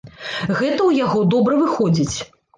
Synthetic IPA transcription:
ɣɛt̪ɐwjaɣɔd̪ɔbɾɐvɨxɔd͡zʲit͡sʲ

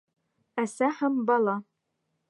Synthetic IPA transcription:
æsæħæmbɑlˠɑ

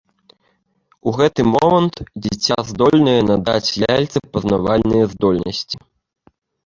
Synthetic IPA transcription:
uɣɛt̪ɨmɔmɐnt̪d͡zʲit͡sʲːazd̪ɔlʲnɐjɛnad̪a̰t͡sʲlʲalʲt̪sɐpɐznavalʲnɨjɐzd̪ɔlʲnɐsʲt͡sʲi̥

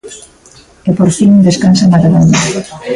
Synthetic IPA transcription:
epoɾfinũnd̪eskansamaðaðoɲa

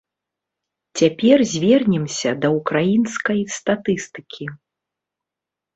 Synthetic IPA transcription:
t͡sʲapʲɛrzʲvʲɛrnʲɛmsʲɐd̪ɐukɾajinskɐjst̪at̪ɨst̪ɨ̥kʲʰi

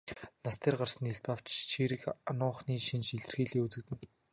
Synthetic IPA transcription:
nast̪ʰeːrɢarsə̆niɮpaw̥t͡ɕʃiːɾɘ̆kanʊːχniːʃinʃiɮɘ̆rxiːɮeːut͡sɘ̆k̚t̪ɘ̆n

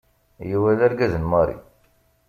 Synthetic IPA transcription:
jiwælæɾɡæzənmɑɾḭ

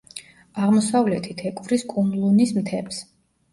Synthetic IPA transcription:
aʁmɔsavlɛt̪ʰit̪ʰɛkʼvɾiskʼumlˠunismt̪ʰɛpʰs

